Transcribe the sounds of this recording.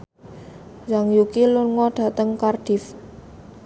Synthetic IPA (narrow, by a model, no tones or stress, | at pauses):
jaŋjukilʊnŋɔɖ̥a̤t̪əŋkard̥if